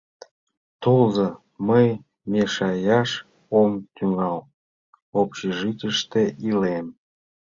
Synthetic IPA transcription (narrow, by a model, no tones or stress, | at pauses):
t̪olzə | məj | meʃɑjɑʃ | omt̪yŋɑl | opɕeʒit̪ʲəʃt̪eʔilem